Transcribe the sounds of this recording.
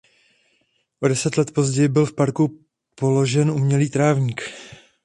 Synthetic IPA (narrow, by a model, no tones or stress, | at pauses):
ʔo̞dɛsɛt̪lɛt̪po̞zɟɛjɪbɪlfpaɾku | po̞lo̞ʒɛnʔumɲɛliːt̪ɾaːvɲiːk